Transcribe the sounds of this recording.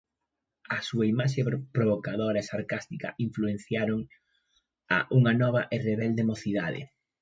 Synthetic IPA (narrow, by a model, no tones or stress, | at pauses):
ɐsuɐimaʃ̬epɾoβokaðoɾɐsaɾkast̪ikɐ̰ʔiɱfluen̟θjaɾoŋ | a̰ʔuŋɐnɔβɐʔereβɛld̪emoθiða̰ðɪ̰